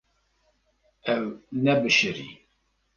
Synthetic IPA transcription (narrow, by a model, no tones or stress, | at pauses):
æwnæbəʃəɾḭ